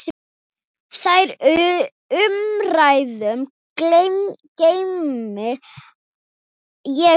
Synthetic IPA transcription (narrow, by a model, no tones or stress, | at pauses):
θajɾ | ʏmrajðʏm | klemcejmmɪ | jɛ